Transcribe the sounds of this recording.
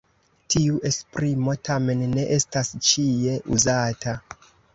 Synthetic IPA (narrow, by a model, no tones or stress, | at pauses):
tiuʔe̞spɾimo̞tʰame̞nːe̞ʔe̞stast͡ʃie̞ʔuzatʰa